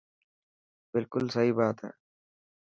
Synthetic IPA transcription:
bɪlkʊlsəɦiːbaːt̪ɦɛ̰ː

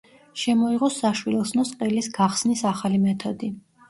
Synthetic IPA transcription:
ʃɛmɔiʁɔsaʃwilˠɛsnɔsqʼɛlisɡaχsnisaχalimɛt̪ʰɔd̪i

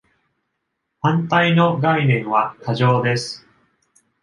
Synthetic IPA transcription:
hãnt̪aino̞ɡainẽ̞ɰ̃βak̪aʑo̞ːd̪e̞sɨ̥

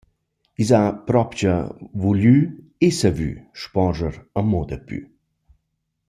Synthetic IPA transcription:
izapɾɔpt͡ɕə̰vuly | esəvy̰ʃpɔʒəɾəmɔd̪əpy̰

